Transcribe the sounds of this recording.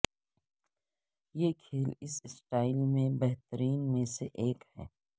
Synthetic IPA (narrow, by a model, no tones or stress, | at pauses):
jekʰeːlɪssʈaːɪlmẽbɛɦt̪əɾiːnmẽseʔeːkhɛ̰ː